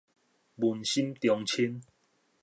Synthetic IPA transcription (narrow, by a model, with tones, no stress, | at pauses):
bu˨nɕi˦mt̪jɔ˨˧ŋt͡ɕʰi˦n